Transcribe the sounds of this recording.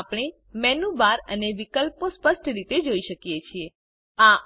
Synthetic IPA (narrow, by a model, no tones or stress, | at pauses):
apɽ̃e | mɛnubaɾəneʋikəlpospəʃʈɾit̪ed͡ʒoiʃəkijet͡ʃʰie | a